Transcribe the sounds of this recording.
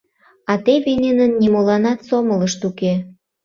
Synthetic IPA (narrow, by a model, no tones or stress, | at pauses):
ɑt̪eβenʲenənːimolɑnɑt̪somələʃt̪uke